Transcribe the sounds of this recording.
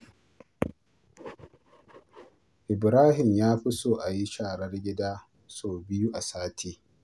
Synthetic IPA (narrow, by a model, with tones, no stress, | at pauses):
ʔɪ˨bɾaː˦ɦɪ˨mjaː˦ɸɪ˦soː˦ʔa˨ji˦ʃaː˦˨ɽɐ˦rɡʲɪ˦daː˦ | soː˦˨bɪ˦ju˦ʔa˨saː˦tʰeː˦